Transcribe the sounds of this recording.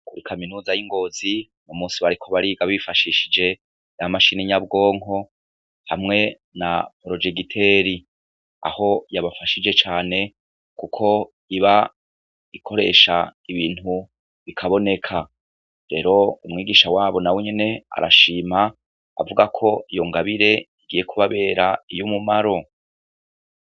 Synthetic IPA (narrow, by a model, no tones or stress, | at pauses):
kuɾikʰaminuːzajiŋɡo̞ːzi | nomuːnsiβaɾikʰoβaɾiɡaβifaʃiʃid͡ʒe̞ | jamaʃiniɲabɡo̞ːŋɦo̞ | hamŋe̞ | na̰pɾo̞d͡ʒeɡitʰe̞ːɾi | a̰ho̞jaβafaʃid͡ʒe̞t͡ʃaːne̞ | kukʰo̞ | iβa | ikʰo̞ɾe̞̰ːʃaiβiːnhu | βikʰaβo̞ne̞kʰa | ɾe̞ɾo̞umŋiːɡiːʃawaːβo̞naweɲene̞a̰ɾa̰ʃiːma | a̰vuɡakʰo̞ijo̞ŋɡaβiɾe̞iɡije̞kʰuβaβe̞ːɾaijomumaɾo̞